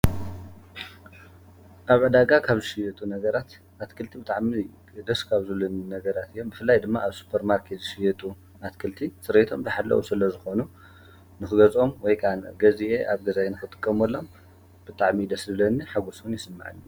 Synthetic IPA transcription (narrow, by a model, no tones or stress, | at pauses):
ʔaβʕɨd̪aɡakʰaβzɨʃijɛt̪ʼunɐɡɐɾat̪ | at̪kʰɨlt̪ʰibɨt̪ʼaʕmi | d̪ɐskʰaβzɨlɐninɐɡɐɾat̪ɨjːo̞mbɨfɨlːajd̪ɨmːaʔaβsu̥pʰɐɾmaɾkʰet̪zɨʃijɛt̪ʼu | ʔat̪kʰɨlt̪ʰisɨɾet̪ʰo̞̰mbɐħalːɐ̰ʔṵsɨlɐzɨxo̞nu | nɨxɨɡɐzʼo̞mwɔjkʰʼanɡɐziʔeʔaβɡɐzajenɨxɨt̪ʼɨ̥kʼːɐmɐlːo̞m | b̥ɨt̪ʼaʕmid̪ɐszɨlɐnːiħaɡusunjɪsɨmːa̰ʕɨ̰nːu